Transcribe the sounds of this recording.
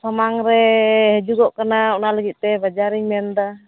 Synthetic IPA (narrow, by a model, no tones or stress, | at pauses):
samaŋɾɛɦɛd͡ʒuɡɔʔkanaɔnaləɡit̪̚ˀt̪ɛbad͡ʒaɾiɲmɛnd̪a